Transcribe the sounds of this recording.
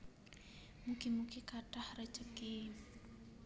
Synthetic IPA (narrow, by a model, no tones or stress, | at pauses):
mukimukikaɖahrət͡ʃəki